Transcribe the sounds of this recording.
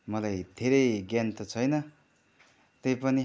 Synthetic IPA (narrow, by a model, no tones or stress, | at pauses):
mʌlajd̪ʱeɾʌjɡjant̪ʌt͡sʰʌjnʌ | t̪ejpʌni